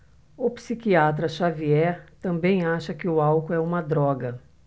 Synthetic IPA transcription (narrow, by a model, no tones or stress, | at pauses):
ʊpsikiat̪̬ɾɐʃaviɛɾt̪ɐ̃mbẽj̃aʃɐkɪʊawkʊɛũmɐd̪ɾɔɡɐ